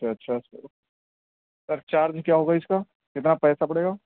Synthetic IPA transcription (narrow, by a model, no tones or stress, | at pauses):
t͡ʃaɐtːʃʰaɪs | sɐɾt͡ʃaːɾd͡ʒkjaːɦoːɡaɪskaː | kɪt̪napɛːsapɐɽeːɡaː